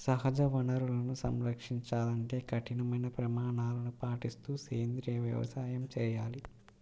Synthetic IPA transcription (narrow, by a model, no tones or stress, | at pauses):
sɐɦɐd͡ʒɐʋɐnɐɾulɐnusɐmɾɐkʂiɲt͡ʃaːlɐɳʈe̞ːkɐʈinɐmɐjnɐpɾɐmaːɳaːlɐnupaːʈist̪uːseːnd̪ɾiɐʋjɐ̰ʋɐ̰saːjɐmt͡ʃɛːjaːli